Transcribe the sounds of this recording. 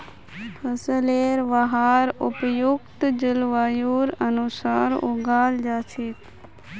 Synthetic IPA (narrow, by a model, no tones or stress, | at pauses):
pʰəsəleɾʋəɦaɾʊpjukt̪d͡ʒəlʋajuɾənusaɾoɡaːld͡ʒat͡ʃʰet̪